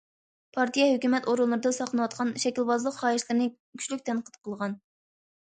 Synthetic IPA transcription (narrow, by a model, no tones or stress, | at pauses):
pʰɑɾt̪ijɑhøkʲymɛt̪oɾulˠːɨɾɨd̪ɨnsɑχlˠɨnɨwɑt̪̚qɑnʃɛkʲilbɑzlˠəqχɑːiʃlˠɨɾɨnɨ | kʲʰy̥ʃlykʲt̪ʰɛnqʰət̪qʰəlˠʁɑn